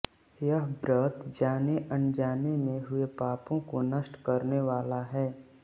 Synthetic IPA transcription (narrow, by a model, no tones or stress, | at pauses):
jəɦbɾət̪d͡ʒaːneʔə̃nd͡ʒaːnemẽɦʊepaːpõkonəʃʈkəɾneʋaːlaɦɛː